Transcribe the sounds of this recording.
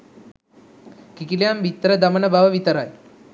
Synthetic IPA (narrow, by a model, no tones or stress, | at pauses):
kikilejamʋit̪ːəɾəd̪amənəbaʋəʋit̪əɾaj